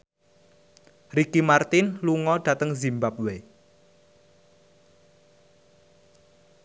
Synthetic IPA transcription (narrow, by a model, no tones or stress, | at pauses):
rikimart̪ɪnluŋɔɖ̥ä̤t̪əŋzimbap̚we